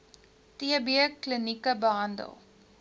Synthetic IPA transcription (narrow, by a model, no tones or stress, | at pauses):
tiəbiəklənikəbəɦɐndə̰lˠ